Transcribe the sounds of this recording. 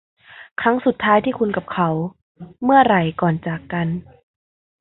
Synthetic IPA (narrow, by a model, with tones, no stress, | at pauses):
kʰɾa˦˥ŋsu˨˩t̪ʰːaː˦˥jt̪ʰiː˥˩kʰu˧nka˨˩p̚kʰa˧˦˥w | mɯ˥˩ɐɾa˨˩jkɔː˨˩nt͡ɕaː˨˩kːa˧n